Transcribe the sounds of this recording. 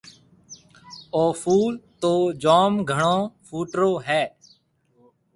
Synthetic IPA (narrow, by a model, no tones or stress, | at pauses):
oːfuːlt̪oːd͡ʒoːmɡʱəɳõːfʰuːʈɾoːɦɛː